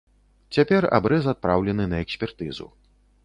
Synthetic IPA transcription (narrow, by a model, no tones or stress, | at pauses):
t͡sʲapʲɛra̰bɾɛzat̪̚pɾawlʲɛnɨnɐɛksʲpʲɛrt̪ɨzṵ